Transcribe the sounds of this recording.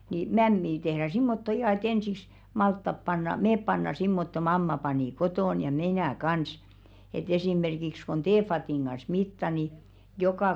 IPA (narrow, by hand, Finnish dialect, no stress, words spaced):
niː mæmːiː tehr̥æ simːotːo ihɑˑ et ensiks mɑltːɑp pɑnːɑ meːp pɑnːɑ simːotːo mɑmːɑ pɑniˑ kotoˑn jɑ mi̞næˑ kɑns et esiˑmerkiks kon teːfɑtiˑŋ ɡ̊ɑs mitːɑ ni jokɑˑ